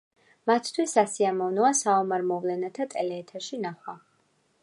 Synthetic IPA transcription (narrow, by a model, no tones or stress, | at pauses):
mat̪ʰt̪ʰwisːasiamɔvnɔasaɔmaɾmɔvlɛnat̪ʰat̪ʼɛlɛːt̪ʰaʃinaχwa